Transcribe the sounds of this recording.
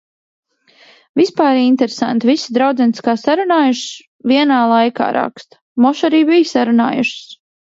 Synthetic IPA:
vispaːɾint̪eɾesa̰nt̪vʲisid̪ɾawd̪zɛniskaːsaɾunaːjuʃs | vʲiɛnaːlˠajka̰ːɾʔa̰kst̪ | mɔʃaɾiːbijsaɾuna̰ːjṵʃs

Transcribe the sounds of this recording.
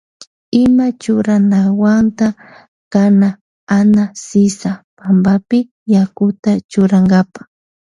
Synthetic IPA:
ɪmat͡ʃʊɾanawant̪a | kana | anasɪsapambapɪ | jakʊt̪at͡ʃʊɾaŋɡapḁ

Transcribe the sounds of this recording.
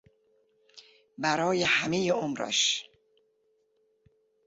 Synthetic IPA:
bæɾɒːjehæmejeomɾæ̰ʃ

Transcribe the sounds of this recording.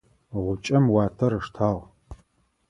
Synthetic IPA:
ʁʷʊt͡ʃʼɐmwaːtʰɐɾɨʂtʰaːʁ

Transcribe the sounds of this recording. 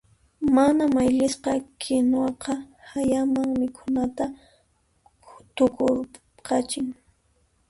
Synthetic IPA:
manamajʎɪsqɑkʰɪnwɑqɑhajamaŋmɪkʰʊnat̪a | t̪ʊkʊɾ | qɑt͡ʃɪŋ

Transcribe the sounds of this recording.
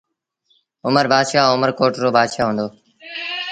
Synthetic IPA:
ʊməɾbʱaːd̪ʃaːʊməɾkoːʈɾoːbʱaːd̪ʃaːɦũːnd̪oː

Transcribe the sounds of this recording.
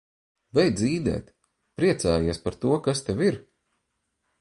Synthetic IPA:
vɛjd̪ziːd̪ɛ̰ːt̪ | pɾiɛt̪saːjiɛspaɾt̪uɔkast̪eviɾ

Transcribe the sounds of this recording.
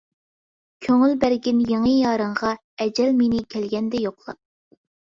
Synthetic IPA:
kʲʰøŋylbæɾɡʲɪnjeŋəjɑːɾəɴʁɑ | ɛd͡ʒɛlmenɪkʲʰælɡʲɛnd̪ɛjoqlˠɑ̰p̚

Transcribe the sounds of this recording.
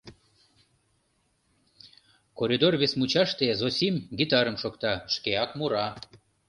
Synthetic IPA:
koɾʲid̪orβesmut͡ɕɑʃt̪ezosʲimɡit̪ɑɾəmʃokt̪ɑʃkeɑkmuɾɑ

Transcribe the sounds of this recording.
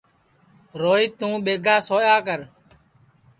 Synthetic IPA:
ɾoːiːt̪ũːɓeːɡʱaːsoːjaːkəɾ

